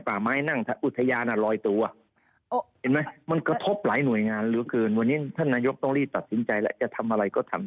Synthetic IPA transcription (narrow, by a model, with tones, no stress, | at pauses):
paː˨˩maː˦˥jna˥˩ŋt̪ʰa˧˩ʔu˨˩t̪ʰːa˧jaː˧nʔa˨˩lɔː˧jt̪u˧a˨˩ | he˨˦nma˦˥jma˧nkɾa˧t̪ʰo˦˥p̚laː˩˦jnu˨˩əjŋaː˧nlɯː˩˦kɤː˧nwa˧nːiː˦˥t̪ʰa˥˩nːaː˧jo˦˥k̚t̪o˧ŋɾiː˥˩t̪a˨˩t̪̚si˩˦nt͡ɕa˧jlɛ̰˦˥t͡ɕa˨˩ʔt̪ʰa˧mʔa˧ɾa˧jkɔː˥˩t̪ʰa˧m